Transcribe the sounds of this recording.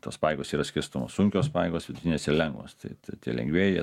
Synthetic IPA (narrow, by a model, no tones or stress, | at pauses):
t̪o̰ːspɑːjɛɡoːsiːɾɐsʲkʲɪɾst̪omoːssʊŋʲkʲoːspɑːjɛɡoːsʋʲɪd̪ʊt̪ʲɪnʲeːsɪɾlʲɛŋɡʋo̰st̪ɐ̰ɪt̪ɐt̪ʲḭɛlʲɛ̰ŋɡʲʋʲeːjɛ